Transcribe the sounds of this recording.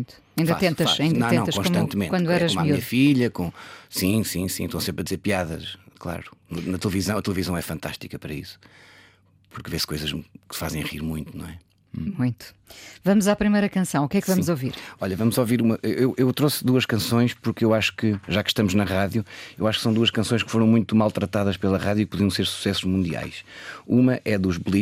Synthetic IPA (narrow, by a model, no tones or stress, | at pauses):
mũj̃t̪u̥ɐĩnd̪ɐat̪ẽnt̪ɐfʃasɐĩdnɐ̃ẽɐ̃t̪ɐʃkõʃʃt̪ɐ̃nt̪mẽnkwɐ̃d̪ɛɾɐomaɐfiʎɐkõsĩsĩsĩʃt̪ɐ̃w̃sẽmpɾɐðizeɾpiaðɐ̰ʃklˠa̰ɾunɐnɐt̪lˠvizɐ̃w̃ɐt̪lˠɨvizɐ̃w̃ɛfɐ̃nt̪a̰ʃt̪ikɐpɐɾɐisu̥ | puɾkveskojzɐʃkfazẽj̃ʁiɾmũj̃t̪unɐ̰̃w̃ɛ | mũj̃t̪u̥ | vɐmuzapɾimɐjɾɐkɐ̃sɐ̃w̃ukɛkvɐmuzoviɾɔʎɐvɐmuzoviɾumɐʔewʔewʔewt̪ɾosd̪uɐʃkɐ̃sõj̃ʃpuɾkewaʃu̥kɨʒakʃt̪ɐmuʒnɐʁaðjuewaʃu̥ksɐ̃w̃d̪uɐʃkɐ̃sõj̃ʃkfoɾɐ̃w̃mũj̃t̪umalˠt̪ɾɐt̪aðɐʃpelˠɐʁaðjuik̚puðiɐ̃w̃seɾsu̥sɛsuʒmũnd̪ia̰jʃumɐʔɛðuʒβlˠi